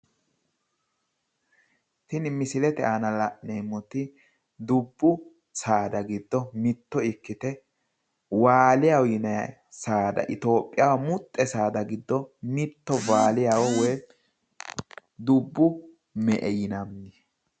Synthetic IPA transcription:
tɪnmɪsɪlɛt̪ɛʔaːnɐlɐʔneːmːʊt̪ɪ | d̪ʊbːʊ | saːd̪ɐɡɪd̪ːɔmɪt̪ːɔɪkːɪt̪ɛ | waːlɪjawjɪnɐ | saːd̪ɐ̰ʔɪt̪o̞ːpʼːɪjawɐmʊt̪ʼːɛsaːd̪ɐɡɪd̪ːɔmɪt̪ːɔvaːlɪjawɔwɛj | d̪ʊbːʊ | mɛʔɛjɪnɐmɪ

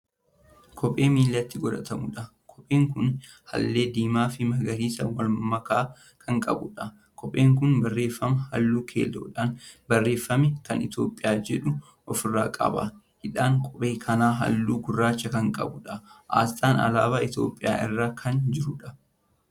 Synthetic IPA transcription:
kʰɔpʼe̞ːmiːlːɐt̪ːɪɡɔd̪ɐt̪ɐmʊᶑɐ | kʰɔpʼeːŋkʊn | hɐ̰lːe̞ːd̪iːmaːfɪmɐɡɐɾiːsɐwɐlmɐkaː | kʰɐŋkʼɐ̰bʊᶑɐ | kʰɔpʼːeːŋk̬ʊnbɐrːe̞ːfːɐmɐhɐ̰lːuːkʰḛːlːɐᶑaːnbɐrːe̞ːfːɐmɛkɐnɪt̪jo̞ːpʼːɪjaːd͡ʒɛᶑʊ | ʔɔfɪrːa̰ːkʼɐ̰bɐ̰ | hɪᶑaːŋkʼɔpʼe̞ːkʰɐnaːɦɐ̰lːuːɡʊrːaːt͡ʃːɐkɐŋkʼɐ̰bʊᶑɐʔa̰ːst̪ʼaːnɐ̰laːbaːɪt̪jo̞̰ːpʼːɪja̰ːʔɪ̰rːaːkʰɐnd͡ʒɪɾʊᶑɐ̥

